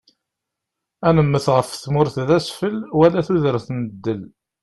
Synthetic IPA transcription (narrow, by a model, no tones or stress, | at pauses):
ænəmːəθʁəfθmʊɾθðæsfəlwælæθuðəɾθnəd̪ːəl